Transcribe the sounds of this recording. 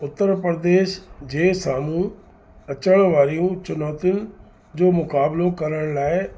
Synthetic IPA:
ʊt̪ːəɾpɾd̪eːʃd͡ʑeːsaːmũ | ɐt͡ɕəɽ̃ʋaːɾijũt͡ɕʊnaːt̪ɪʊn | d͡ʑoːmʊkaːblokɐɾəɽ̃laːɪ

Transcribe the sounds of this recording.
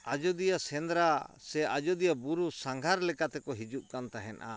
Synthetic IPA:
ad͡ʒɔd̪ijasɛnd̪ɾasɛʔad͡ʒɔd̪ijabuɾusaŋɡʱaɾlɛkat̪ɛkɔɦid͡ʒuʔ̚kant̪aɦɛnʔa̰

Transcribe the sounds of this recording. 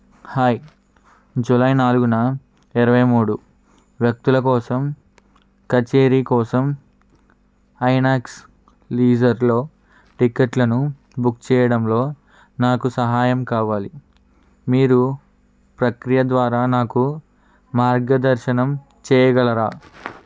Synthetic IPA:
haːj | d͡ʒulɐjnaːluɡunɐ | iɾɐʋɐjmuːɽu | ʋjɐk̚t̪ulɐkɔːsɐm | kɐt͡ʃeːɾiːkɔːsɐm | ɐjnaːks | liːd͡ʒɐɾlo̞ː | ʈikeʈlɐnu | bukt͡ʃɛːjɐɽɐmlo̞ː | naːkusɐɦaːjɐmkaːʋaːli | miːɾu | pɾɐkɾijɐd̪ʋaːɾaːnaːku | maːɾɡɐd̪ɐɾʃɐnɐm | t͡ʃɛːjɐɡɐɭɐɾaː

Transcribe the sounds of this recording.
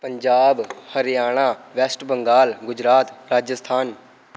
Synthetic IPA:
pəɲd͡ʒaːbhəɾjaːɽ̃aːʋɛːsʈbəŋɡaːlɡʊd͡ʒɾaːt̪ɾaːd͡ʒəst̪ʰaːn

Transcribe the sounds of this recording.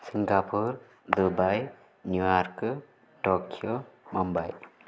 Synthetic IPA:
siŋɡapʰuɾ | d̪ubaj | njuwaɾkɯ | tɔkʰiomɔmbaj

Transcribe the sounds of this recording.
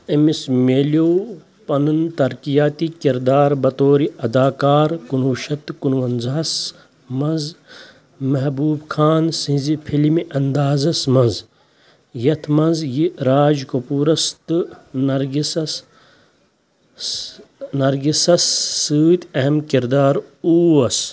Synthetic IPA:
ɐmismeːljoː | pɐnɐnt̪ɐɾkijaːt̪ikiɾd̪aːɾbɐt̪oːɾiɐd̪aːkaːɾkunʋuʃɐt̪kunʋɐnzɐɦɐs | mɐz | mɐɦbuːbkʰaːnsĩzipʰilimiʔɐnd̪aːzɐsmɐnz | jɐt̪ʰmɐnzjiɾaːd͡ʒkopuːɾɐst̪ɨnɐɾɡisɐs | nɐɾɡisɐsːɨːt̪ɐɦɐmkiɾd̪aːɾuːɐs

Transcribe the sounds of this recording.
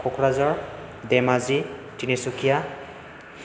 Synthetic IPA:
kʰʊkʰɹazɔɹ | d̪ɛmazitinesukija

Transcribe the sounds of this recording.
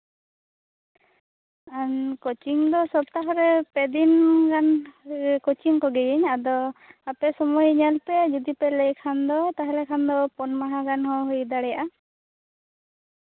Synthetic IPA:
aɲkɔt͡ʃiŋd̪ɔsɔb̚t̪aɦɔɾɛpɛd̪inɡan | kɔt͡ʃiŋkɔɡɛjəɲad̪ɔapɛsɔmɔjɲɛlpɛd͡ʒud̪ipɛlɛjkʰand̪ɔt̪aɦɛlɛkʰand̪ɔpɔnmaɦaɡanɦɔ̃ɦujd̪aɽɛjaʔa

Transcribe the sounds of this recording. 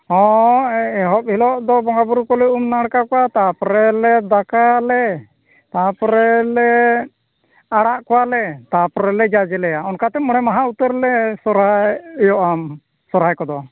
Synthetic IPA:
hɔ̃ | ɛɦɔp̚hilɔʔd̪ɔbɔŋɡabuɾukɔlɛumnaɽkakɔwat̪apɔɾɛlɛd̪akajalɛ | t̪apɔɾɛlɛ | aɽaʔkɔwalɛt̪apɔɾɛlɛd͡ʒad͡ʒɛlɛjaɔnkat̪ɛmɔɽ̃ɛmaɦaut̪əɾlɛsɔɾajɔʔam | sɔɾajkɔd̪ɔ

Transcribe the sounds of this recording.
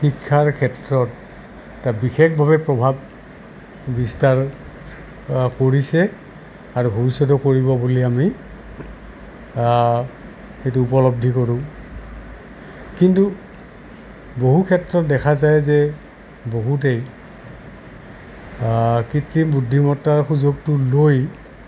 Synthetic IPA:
xikʰːaɹkʰɛtɹɔt | tabixekbʱaβɛpɹɔbʱab̚ | bistaɹ | koɹisɛ | aɹubʱobisɔtɔkoɹibɔbuliami | xejtuːpɔlɔb̚dʱikoɹʊ̃ | kintu | boɦukʰɛtɹɔt̚dɛkʰazajzɛ | boɦut̬ej | kitɹimbudʱːimɔtaɹxuzoɡ̚tʊloj

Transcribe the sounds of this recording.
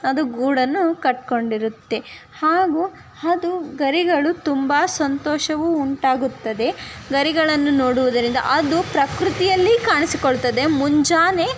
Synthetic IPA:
ɐd̪uɡuːɽɐnːukɐʈ̚ko̞ɳɖiɾut̪ːe̞ | haːɡuː | ɐd̪uɡɐɾiɡɐɭut̪umbaːsɐnt̪ɔːʃɐʋuːɳʈaːɡut̪ːɐd̪e̞ɡɐɾiɡɐɭɐnːunoːɽuʋud̪ɐɾind̪ɐ̰ʔɐd̪upɾɐkɾut̪ijɐlːikaːɳisikoɭt̪ɐd̪e̞muɲd͡ʒaːne

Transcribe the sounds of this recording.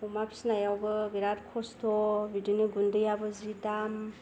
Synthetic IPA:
ɔmapʰi̥snajawɡɯɡiɾatkʰɔstʰɔbidɯniɡundɯjabɯzitam

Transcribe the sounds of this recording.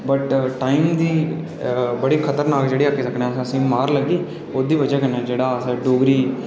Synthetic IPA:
bəʈːaːiːmd̪iː | bəɽiːkʰət̪əɾnaːkd͡ʒeːɽiːakːeːsəkʰnẽːəsːəsĩːmaːɾləɡiː | oːd̪iːʋəd͡ʒaːkənãːd͡ʒeːɽaːsːɖoːɡɾiː

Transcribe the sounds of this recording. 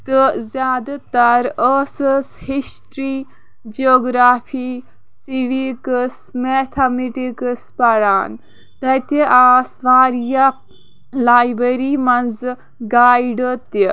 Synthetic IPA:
t̪əzʲjaːd̪at̪ɐɾəsəshisʈɾiː | d͡ʒoːɡɾaːfʰiː | siʋikəsmet̪ʰɐmiʈikəspɐɽaːn | t̪ɐt̪iʔaːsʋaːɾja | laːjbɐɾiːmɐnz | ɡaːjɖət̪i

